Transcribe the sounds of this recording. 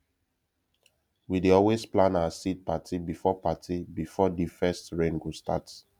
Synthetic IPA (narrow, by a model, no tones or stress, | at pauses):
wideɔlwesplãnawasit̚patʰibifɔpatʰibifɔdifɛstɹẽnɡostat